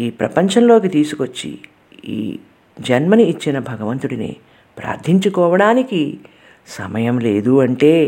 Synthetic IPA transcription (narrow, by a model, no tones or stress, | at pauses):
iːpɾɐ̰pɐɲt͡ʃɐnlo̞ːkit̪iːsukot͡ʃːḭ | ḭː | d͡ʒɐnmɐniːt͡ʃːinɐbʱɐɡɐʋɐnt̪uɽinḭ | pɾa̰ːɾt̪ʰiɲt͡ʃukɔːʋɐɽaːniki | sɐmɐjɐmle̞̰ːd̪uɐɳʈe̞ː